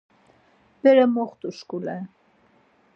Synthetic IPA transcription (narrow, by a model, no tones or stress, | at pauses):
b̥ɛɾɛmɔχt̪ʼuʃkulɛn